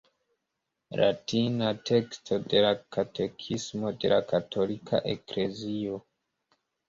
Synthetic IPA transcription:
la̰tinate̞kstʰo̞de̞lakatʰe̞kʰismo̞de̞̰la̰katʰo̞likʰa̰ʔekle̞zio

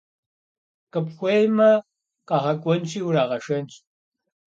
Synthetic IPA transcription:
qəpxʷejmɐ | qɑʁɐkʷʼɔnt͡ʃʼiːwraːʁɐʂɐnt͡ʃʼ

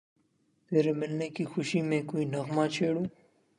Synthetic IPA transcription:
t̪eːɾemɪlnekixʊʃimẽːkoinɐɣmaːt͡ʃʰeːɽũː

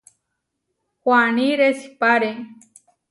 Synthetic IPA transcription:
xwaniɾesi̥paɾe

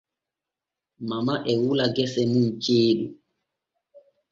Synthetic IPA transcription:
mamaʔɛwulaɡɛsɛmunt͡ʃeːɗu

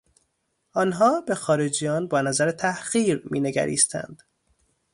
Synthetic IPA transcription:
ʔɒːnɦɒːbe̞xɒːɾed͡ʒijɒːnbɒːnæzæɾet̪ʰæhɣiːɾmiːne̞ɡæ̰ɾḭːst̪ʰæ̰nd̪̥

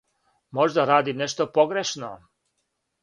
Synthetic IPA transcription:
mo̞ʒd̪aɾaːd̪imneʃt̪opo̞ɡɾeʃno̰

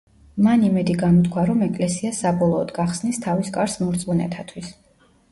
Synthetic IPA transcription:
manimɛd̪iɡamɔt̪kʰwaɾɔmɛkʼlɛsiasabɔlˠɔːd̪ɡaχsnist̪ʰaviskʼaɾsmɔɾt̪sʼmunɛ̰t̪ʰat̪ʰwis

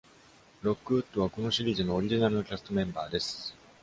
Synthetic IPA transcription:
ɾo̞kːɯ̟ɯ̟t̪ːo̞β̞ako̞no̞ɕiɾʲiːzɨno̞ːɾʲiʑinaɾɯno̞kʲasɨ̥t̪o̞mẽ̞mbaːd̪e̞sɨ̥

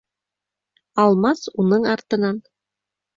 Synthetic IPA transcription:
ɑlˠmɑsunɤɴɑɾt̪ɤ̆nɑn

